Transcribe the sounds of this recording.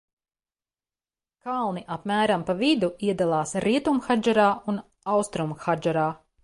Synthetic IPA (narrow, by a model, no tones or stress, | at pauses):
kalˠniʔapmæːɾampavid̪uiɛd̪alˠɑːsɾiɛt̪umxad͡ʒaɾaːun | awst̪ɾumxad͡ʒɛɾaː